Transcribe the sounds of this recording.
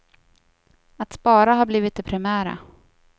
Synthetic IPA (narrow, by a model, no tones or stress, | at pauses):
at̪spɑːɾaɦaɾbliːvɪt̪̚d̪ɛpʰɾɪmæːɾa̰